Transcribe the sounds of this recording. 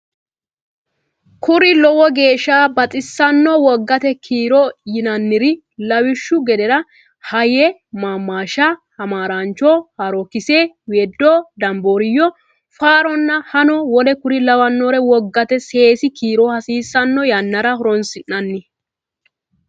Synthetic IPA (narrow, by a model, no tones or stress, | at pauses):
kʊɾɪlɔwɔɡe̞ːʃːaːbɐtʼɪsːɐnːɔwɔɡːɐt̪ɛkʰiːɾɔjɪnɐnːɪɾɪ | lɐwɪʃːʊɡɛd̪ɛɾɐ | hɐjɛmaːmːaːʃɐhɐmaːɾant͡ʃɔhɐɾɔkːɪseː | weːd̪ːɔd̪ɐmboːɾɪjːɔ | faːɾɔnːɐhɐnɔwɔlɛkʊɾɪlɐwɐnːoːɾɛwɔɡːɐt̪ɛse̞ːsɪkiːɾɔhɐsiːsːɐnːɔjɐnːɐɾɐhɔɾɔnsɪnːɐnːɪ